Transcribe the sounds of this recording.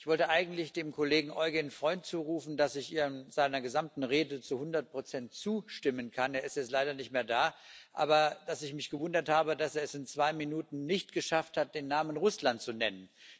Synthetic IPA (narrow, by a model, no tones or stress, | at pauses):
ʔɪçv̥ɔltəʔaɪɡŋ̩tlɪçd̥eːmkʰoleːɡŋ̩ʔɔʏɡənfʁ̥ɔʏntt͡suːʁuːfn̩dasɪçʔiːʁəzaɪnɐɡəzamtn̩ʁeːdət͡suhʊndɐt̚pʁ̥ot͡sɛntt͡suːʃtɪmənkʰaneːɐɪstjɛt͡stlaɪɾɐnɪçtmeːɐdaːʔa̰ːbɐd̥asɪçmɪçɡ̥əvʊndɐthaːbədaseːɐɛsɪnt͡sv̥aɪminuːtn̩nɪçtɡ̥əʃafthat̚d̥eːnːaːmənʁʊslantt͡sunɛnən